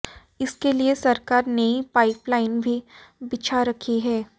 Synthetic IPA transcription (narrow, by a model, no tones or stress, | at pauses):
ɪskeliesɐɾkaːɾnɐĩpaːɪplaːɪnbʱibɪt͡ʃʰaɾɐkʰiɦɛː